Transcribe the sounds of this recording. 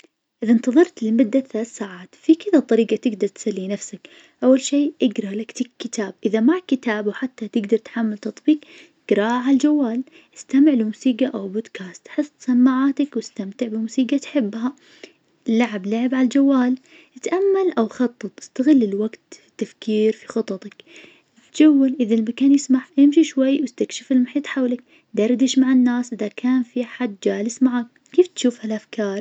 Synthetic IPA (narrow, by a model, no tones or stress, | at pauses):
ʔɪðant̪ɑðˤɑɾˤt̪lɪlmʊd̪ːaθalaːθsaːʕaːt̪fikɪðat̪ˤːɑɾiːɡat̪ɪɡd̪ɑɾˤt̪salːinafsak | ʔawːalʃeːʔɪɡɾˤɑlakt̪ikkːɪt̪ʰaːb̚ʔɪðamakɪt̪aːbawħat̪ːat̪ɪɡd̪ɑɾˤt̪ħamːalt̪ɑt̪ˤbiːq | ɪɡɾˤɑʔʕald͡ʒawːaːl | ʔɪ̥st̪amɪʕlɪmuːsiːqaʔawbod̪kʰaːst̪ħɨsˤːt̪samːaʕaːt̪akwɪst̪amt̪ɪʕbɪmusiːɡat̪ħɪbːha | laʕablaʕɪbʕalald͡ʒawːaːl | jɪt̪ʔamːalʔawxɑt̪ˤːɨt̪ˤʔɪ̥st̪aɣɪlːɪlwaɡt̪fi̥t̪ːafkiːɾfi̥xɨt̪ˤɑt̪ˤɑk | t̪d͡ʒawːalʔɪðalmakaːnjɪsmaʕjɪmʃiʃwajːwɪst̪akʃɪfɪlmʊħiːt̪ˤħawlak̚ | d̪ɑɾˤd̪ɪʃmaʕanːaːsʔɪðakʰaːnfiħad̪ːd͡ʒaːlɪsmaʕak̚ | kiːft̪ʃuːfhalʔafkɑːɾˤ